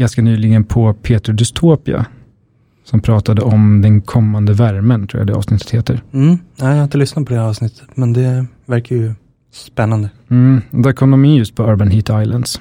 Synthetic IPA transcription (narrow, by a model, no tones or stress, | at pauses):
anskanyːlɪɡənpʰɔpʰeːt̪ɾd̪ɪst̪ʰoːpɪa̰ | sɔmpʰɾɑːt̪ad̪əɔmd̪ɛnkʰɔmːand̪əvæɾmənt̪ʰɾuːja̰d̪ɛːɑ̰vsnɪt̪ːə̥t̪heːt̪əɾm̩ːnæjahɪnt̪əlʏsnad̪pʰɔd̪ɛɑːvsnɪt̪ʰːə̥t̪mɛnd̪ɛ | væɾkajɵ | spɛnːand̪ə | m̩d̪æɾkʰɔmd̪ɔmɪnjɵst̪̚pʰɔœːɾbanɦiːt̪ajla̰nd̪s